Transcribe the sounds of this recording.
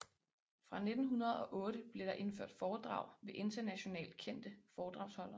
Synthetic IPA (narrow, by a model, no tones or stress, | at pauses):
fʁɑ̈ne̝d̥n̩ɦunɐð̞̩ˠɒ̽ʔɔ̽ːɾ̥əb̥le̝ɾ̥ɑ̈ʔe̝nfø̰ɐ̰d̥fɒːd̥ʁɑ̰̈ʊ̰ʋe̝ʔe̝nd̥ɐnæɕo̝nɛ̰ːld̥̚kʰen̰d̥əfɒːd̥ʁɑ̈ʊshɒ̽l̰ɐ